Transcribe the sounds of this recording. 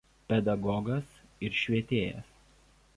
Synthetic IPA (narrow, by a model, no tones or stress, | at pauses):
pʲɛd̪ɐɡɔɡɐsɪɾʃʲʋʲiɛt̪ʲeːjɛ̰s